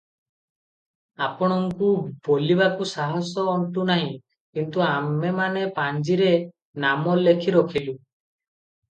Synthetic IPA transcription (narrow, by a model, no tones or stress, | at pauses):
apɔɽ̃ɔŋkub̥olibakusaɦɔsɔːɳʈ̪unaɦĩ | kint̪uamemanepaɲd͡ʒiɾe | namɔlekʰiɾɔkʰilu